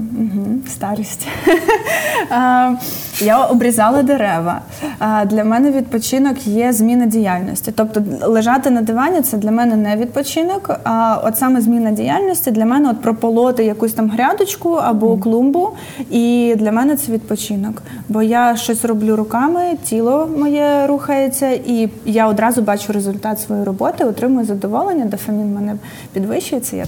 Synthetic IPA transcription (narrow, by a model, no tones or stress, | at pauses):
m̩ɦ̩st̪ɑɾisʲtʲ | jaɔbɾʲizɑlˠɐd̪eɾɛʋɐ̰ | d̪lʲɐmɛnɛʋʲid̪̚pɔt͡ʃinɔkjɛzʲmʲinɐdʲijalʲnɔ̰sʲtʲit̪ɔp̚t̪ɔlˠɪʒɑt̪ɪnɐd̪ɪʋɑnʲːʊt̪sɛd̪lʲɐmɛnɛnɛʋʲid̪̚pɔt͡ʃɪnɔkɔ̰t̪sɑmɛzʲmʲinɐdʲijalʲnɔsʲtʲid̪lʲɐmɛnɛɔt̪̚pɾɔpɔlˠɔt̪ɪjɐkusʲt̪ɑmɦɾʲɑd̪ʊt͡ʃkʊɐbɔklˠumbʊ | id̪lʲɐmɛnɛt̪sɛʋʲid̪̚pɔt͡ʃɪnɔk | bɔjaʃt͡ʃɔsʲrɔblʲuɾʊkɑmɪtʲilˠɔmɔjɛɾuxɐjet͡sʲːɐʔijaɔd̪ɾɑzʊbɑt͡ʃʊɾezʊlʲt̪ɑt̪sʋɔjijrɔbɔt̪ɪɔt̪ɾɪmʊjʊzɐd̪ɔʋɔlˠenʲːɐd̪ɐfɐmʲinmɛnɛ | pʲid̪ʋɪʃʊjet͡sʲsʲɐ̰ja̰